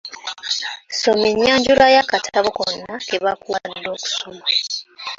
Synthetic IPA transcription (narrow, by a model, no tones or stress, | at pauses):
someɲːaːɲɟuɾajakatʰaβokonːakeβakuwadːo̞ːku̥soma